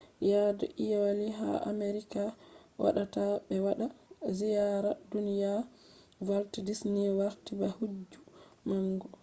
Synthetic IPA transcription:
jadɔ̰ʔijawaliɦa̰ʔa̰meɾikawa̰ɗatabɛwaɗazijaɾadunija | valtidisniwaɾtibahud͡ʒumaŋɡɔ

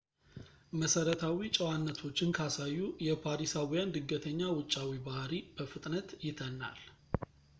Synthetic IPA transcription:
məsəɾət̪ʰawit͡ʃʼəwanːət̪ʰo̞t͡ʃːɪnkʰasajːujɛpʰaɾisawijand̪ɨɡːət̪ʰəɲːawʊt͡ʃʼːawibahɾib̥əfɨt̪ʼnət̪jɪt̪ʰənːa̰l

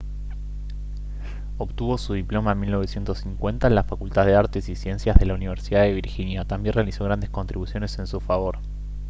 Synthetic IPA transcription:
o̞βt̪uβo̞suðiplo̞mamilno̞β̞esje̞nt̪osːiŋkwe̞nt̪aenlafakult̪aððeaɾt̪e̞sisje̞nsjazðe̞launiβ̞e̞ɾsiðaðe̞β̞iɾxinjat̪ambjenre̞aliso̞ɣɾand̪esko̞nt̪ɾiβusjo̞ne̞se̞nsufaβo̞ɾ

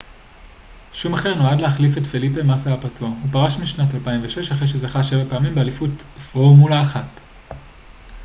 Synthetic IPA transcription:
ʃumaχe̞ʁnoadleaχlifetfelipemasaapaʁt͡sohupaʁaʃmiʃnatalpaimveʃe̞ʃhaχʁejʃezaχaʃe̞vapeamimbealifutfoʁmulaːχat

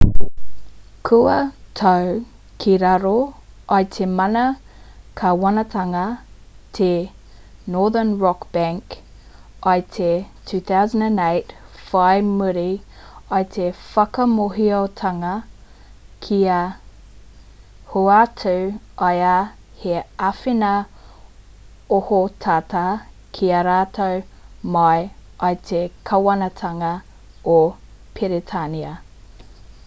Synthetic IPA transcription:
kʰuɐtʰow | kʰiɾɐɾoɐjtʰemɐnɐ | kʰɐwɐnɐtʰɐŋɐtʰe | nɔːðənɹɔkb̥æ̃ŋk | ɐjtʰetʰʉːθawzəndæ̃neɪtfajmuɾi | ɐjtʰefɐkɐmoɦiotʰɐŋɐ | kʰiɐ | huatʰuw | ɐja | heɐfenɐ | ohotʰatʰa | kʰiɐɾaːtʰow | mɐjʔɐjtʰekʰɐwɐnɐtʰɐŋɐ | o | pʰeɾetʰaniɐ

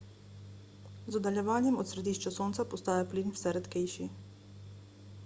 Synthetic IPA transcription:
zɔd̪aljɛʋaːnjɛmɔt̪sɾɛd̪iːʃt͡ʃasoːnt̪sapɔst̪aːjapliːnwsɛɾɛt̪kɛjʃi

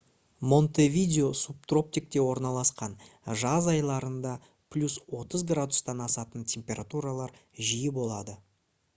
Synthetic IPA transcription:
mo̞nt̪e̞vʲidʲeosup̚t̪ro̞p̚t̪ʲik̚t̪e̞wo̞ɾnɑlˠɑsqɑnʒɑzɑjlˠɑɾənd̪ɑ | pʰlʲuswo̞t̪əzɡrad̪ust̪ɑnɑsɑt̪əntʲʰe̞mpʲe̞ɾat̪uɾalˠɑɾʒijɪbo̞lˠɑd̪ə

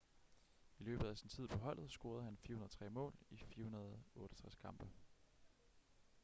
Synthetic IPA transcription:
ilø̰ːb̥ð̩ˠæsint͡sʰið̰ˠpʰɒ̽ɦɒ̽l̰ð̞̩ˠsɡ̥o̝ɐð̞̩ˠhænfiɐhunɐt͡sʰʁɛ̰ːmɔ̰̽ːlifiɐhunɐð̩ˠɔ̽ːɾ̥ɒt͡sʰʁaskʰɑ̈mb̥ə

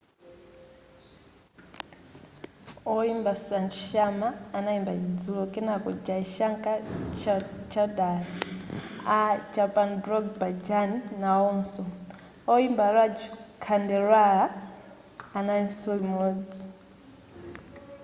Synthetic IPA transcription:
ɔimbasant͡ʃʃamaːnaimbat͡ʃid͡zulɔkʼɛnakɔd͡ʒaiʃaŋkʼat͡ʃt͡ʃʰadali | ad͡ʒapʼanbɾɔɡbad͡ʒanːaɔnsɔ | ɔimbaɾad͡ʒukʰandɛɾaaː | nainsɔlimɔːd͡zi

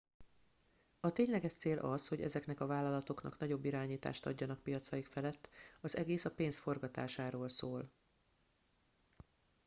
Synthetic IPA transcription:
ɒt̪eːɲlɛɡɛʃt̪seːlʔɒsho̞ɟɛ̰zɛkn̪ɛkɒvaːlːɒlɒt̪o̞knɒ̰knɒɟo̞bːiɾaːɲiːt̪a̰ːʃt̪ɒ̰ɟːɒnɒkpijɒt̪sɒjikfɛlɛt̪ːɒzɛɡeːsɒpeːnsfo̞rɡɒt̪a̰ːʃaːɾoːlsoːl

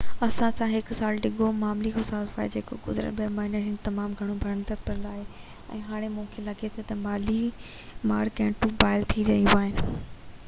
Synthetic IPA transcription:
ɐsãsãɦɪksaːlɖɪɠʱomaːmlikʰosaːzfaːḛd͡ʑeːko̰ɡʊ̰zɾə̰ɓəɾmaːɪnəɾɦɪnt̪ɐmaːmɡʱɐɽ̃õbʱɐɾə̃nd̪əɾpɐɾənd̪aːɦe | ɛ̰̃ːɦaːɽ̃emũːkʰelɐɡet̪ʰot̪ɐmaːli | maːɾkɛ̃ːɳʈũbaːɪlt̪ʰid͡ʑɐijũaːɦɪnɪ̆

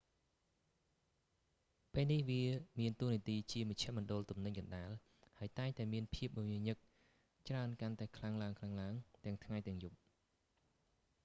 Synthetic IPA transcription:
peːlnihʋiəmiənt̪uəniət̪iːt͡ɕiəməc̚t͡ɕʰɛ̆əʔmɔənɗʊəlt̪umnɨɲkɑnɗaːl | haəjt̪aɛŋt̪aɛmiənpʰiəp̚mmiəɲɨk̚ | t͡ɕraənkant̪aɛkʰlaŋlaəŋkʰlaŋlaəŋt̪ɛ̆əŋt̪ʰŋajt̪ɛ̆əŋjup̚

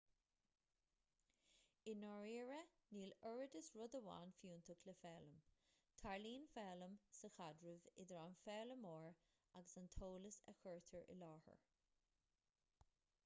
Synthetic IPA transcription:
ɪnɔɹiːɹəniːləɹəd̪əsɹʊd̪əwa̰ːnfjuːnt̪ʰəkʰləfɛːləm | t̪ʰaɹliːnfɛːləmsəxadɹəvɪd̪əɹanfɛːləmɔːɹ | aɡəsant̪ʰoːləsɛ̰xɜɹt̪ʰəɹɪ̰lɑːhə̰ɹ

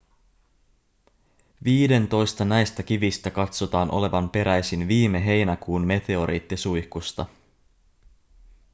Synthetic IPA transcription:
ʋiːde̞nt̪o̞jst̪ɑnæjst̪æk̟iʋist̪ækɑt̪so̞t̪ɑːnʔo̞̰le̞ʋɑmpe̞ɾʔæjsinʋiːme̞ɦe̞jnækuːnme̞t̪e̞o̞ɾḭːt̪ːisujhkust̪ɑ

